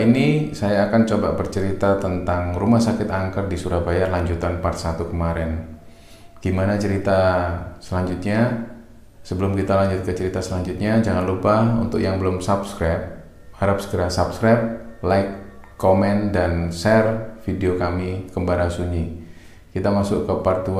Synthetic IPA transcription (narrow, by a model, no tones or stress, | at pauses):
inisajaːkant͡ʃoba̰bərt͡ʃəɾit̪at̪ənt̪aŋrumahsakɪt̪aŋkərdisuɾahbajarlaɲd͡ʒut̪anpat̪̚sat̪ukəmaɾɛn | ɡ̥imanat͡ʃəɾit̪asəlaɲd͡ʒut̪̚ɲa | səbəlʊmkit̪alaɲd͡ʒʊt̪̚kət͡ʃəɾit̪asəlaɲd͡ʒut̪̚ɲad͡ʒaŋanlupahṵnt̪ʊ̰k̚jaŋbəlʊmsapskɾap̚ | haɾapsə̥ɡəɾasapskɾap̚laɪkːomɛndansɛrfideokamikəmbaɾasuɲi | kit̪amasʊʔkəpart̪u